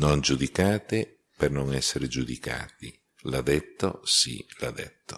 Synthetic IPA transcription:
nond͡ʒud̪ikaːt̪e | pernoŋɛsːeɾed͡ʒud̪ika̰ːt̪i | lad̪ɛt̪ːo̰sḭlad̪ɛ̰t̪ːo̥

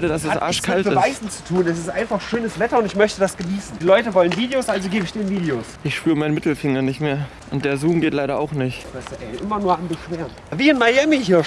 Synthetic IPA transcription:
dədasɛsʔa̰ɐʃkʰaltbəvaɪzn̩t͡su̥tʰuːnɛs̬ɪstʔaɪnfaχʃøːnəsv̥ɛtɐʊntɪçmœçtədasɡ̥əniːsn̩d̥iːlɔʏtəvɔlənviːdeosʔalzoɡeːbəɪçd̥eːnviːdeoːsʔɪçʃpyːʁəmaɪnmɪtl̩fɪŋɐnɪçtmeːɐ | ʔʊnt̚d̥eːɐzuːmɡeːtlaɪɾɐa̰ʊxnɪçtv̥aɪsduʔɛɪʔɪmɐnuːɐanbəʃv̥eːʁənviːɪnmajɛmiɦiːɐ

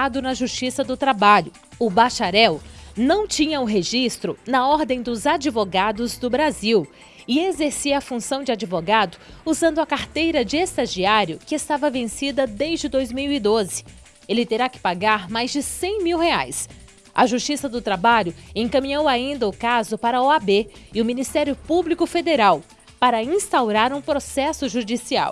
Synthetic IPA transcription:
ad̪ʊnɐʒuʃt͡ʃisɐd̪ʊt̪ɾabaʎʊ | ʊbaʃaɾɛwnɐ̃w̃t͡ʃĩɲɐʊɦeʒist̪ɾʊnɐɔɾd̪ẽj̃d̪ʊzad͡ʒivoɡad̪ʊzd̪ʊbɾaziw | ɪezeɾsiɐfũsɐ̃w̃d͡ʒɪad͡ʒivoɡad̪ʊuzɐ̃nd̪ʊɐkaɾt̪ejɾɐd͡ʒɪest̪aʒiaɾjʊkɪest̪avɐvẽsid̪ɐd̪ejzd͡ʒɪd̪ojzmiwid̪ozɪ̥ | elɪt̪eɾakɪ̥paɡaɾmajzd͡ʒɪsẽj̃miwhea̰js | ɐ̰ʒust͡ʃisɐd̪ʊt̪ɾabaʎʊẽkɐ̃mĩɲowaĩnd̪ɐʊkazʊpaɾɐɔabeɪʊminist̪ɛɾjʊpublikʊfed̪eɾaw | paɾɐĩst̪awɾaɾũpɾosɛsʊʒud͡ʒisia̰w

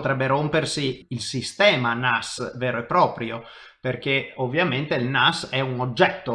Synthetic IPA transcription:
t̪ɾɛbːeɾompersiilsist̪ɛːmanasveːɾoɛpːɾɔːpɾjo | perk̟eovːjament̪eilnasɛunod͡ʒːɛt̪ːo

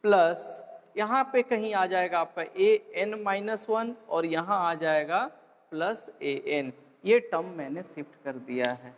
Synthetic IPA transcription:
plɐsjɐɦãpekɐɦĩaːd͡ʒaːeːɡaːpeʔeːɛnmaːɪnəswɐnɔːɾjɐɦãaːd͡ʒaːeːɡa | pləseːʔɛn | jeːʈɐmːɛ̃ːnesɪpʰʈkɐɾd̪ijaɦɛː

